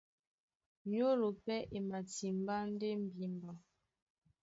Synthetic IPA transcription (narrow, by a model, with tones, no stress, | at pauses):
ɲo˦ɾo˨pɛ˦ʔe˨ma˨ti˨m˦ba˦n̩˦de˦m̩˨bi˨˦m˨ba˨